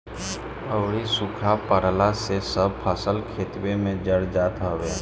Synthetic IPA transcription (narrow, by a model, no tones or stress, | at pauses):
əʊɾisʊkʰapəɾlasesəb̚pʰəsəlkʰeːt̪wemẽd͡ʒəɽd͡ʒaːt̪ɦoweː